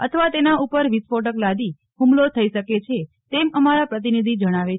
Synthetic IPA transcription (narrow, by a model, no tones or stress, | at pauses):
ə̰t̪ʰəʋat̪enaupəɾʋispoʈ̬əklad̪i | ɦũmlot̪ʰəiʃəket͡ʃʰe | t̪eməmaɾapɾət̪̬inid̪ʱid͡ʒəɽ̃aʋe